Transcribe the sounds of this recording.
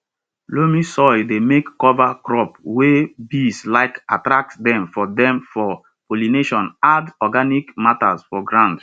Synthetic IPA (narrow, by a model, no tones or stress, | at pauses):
lomisɔjdemekːɔvakɹɔpwebislaɪkatɹak̚tdɛ̃mfɔdɛ̃mfɔ | polineʃɔ̃nadɔɡanikmata̰sfɔɡɹãnd